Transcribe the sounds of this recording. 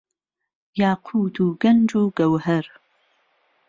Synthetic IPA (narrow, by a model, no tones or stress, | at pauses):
jaːqʰuːduːɡɐnd͡ʒʼuːɡ̥ɐwħɐr